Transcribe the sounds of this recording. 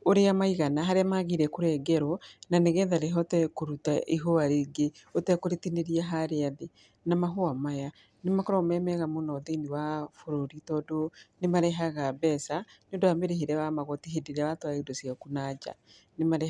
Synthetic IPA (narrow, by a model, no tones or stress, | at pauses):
oɾeamaiɣanaɦaɾeamaɣiɾɛkoɾɛɡɛɾɔnaneɣɛːnðaɾeɦɔtɛkoɾutaʔiɦoaɾeɡe | otɛkoɾetineɾiaɦaɾeaðe | namaɦoamaja | nemakɔɾɔmɛmɛɣamonɔðeniwafoɾoɾitɔdonemaɾeɦaɣabɛsanoːndoameɾeɦiɾɛwamaɣɔtiɦediɾaβatwaedosiakunad͡ʒa̰ | nemaɾe